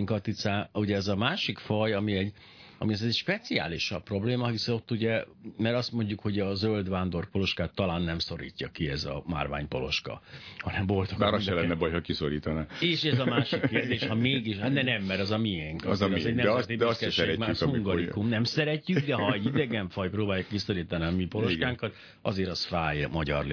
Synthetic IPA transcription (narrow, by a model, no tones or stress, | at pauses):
ŋkɒt̪it̪saːuɟɛɛzɒmaːʃikfɒjɒmiɛɟ | ɒmiɒzɛɟʃpɛt̪sia̰ːliʃɒppːro̞bleːmɒɦisɛo̞t̪ːuɟɛmɛɾɒst̪mo̞ɲɟukho̞ɟɒzøld̪ʋaːnd̪o̞rpo̞lo̞ʃkaːt̪ːɒlaːnːɛmso̞ɾḭːcːɒkiɛzɒ̰ma̰rʋa̰ːɲpolo̞̰ʃkɒ̰hɒnɛmvo̞lt̪oind̪ɛlɛnːɛbɒjɦɒkisoɾiːt̪ɒnaeːʃɛzɒmaːʃikkːeːrd̪eːʃhɒmeːɡiʃhat̪d̪ɛnɛmːɛɾɒzɒmiɛŋkɒzɾɛɟnɛɛst̪id̪ɛsɛiʃsɛeɾɛkmaːykuŋɡɒɾikumnɛmsɛɾɛcːyɡd̪ɛɦɒɛɟid̪ɛɡɛɱfɒjproːbaːjukkiso̞ɾiːt̪ɒniɒmipo̞lo̞ʃkaːŋkɒt̪ | ɒzeːɾɒsfaːjmɒɟɒ̰rl